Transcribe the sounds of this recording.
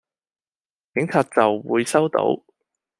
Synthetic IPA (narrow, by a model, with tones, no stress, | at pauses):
kɪ˨˧˥ŋt͡sʰaː˨˧t̚t͡sɐ˨wwuː˨˧jsɐ˥wt̪o̰˧˥w